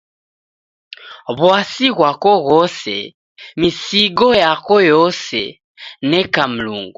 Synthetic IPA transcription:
βwasiɣwakɔɣɔsɛ̰ | misiɡɔjakɔjɔsɛ̰ | nɛkam̩luŋɡu

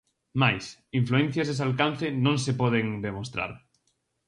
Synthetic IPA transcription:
majsiɱfluɛ̃n̟θjɐzðesalkan̟θɪnõŋsepɔðeŋd̪emost̪ɾa̰ɾ

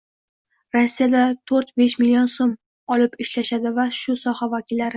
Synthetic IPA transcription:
ɾasːijad̪at̪ʰoɾt̪beʃmilːionsom | ɒlɪpɪʃlaʃad̪ɪvaʃʊsɒhavakʲʰɪlːaɾɪ

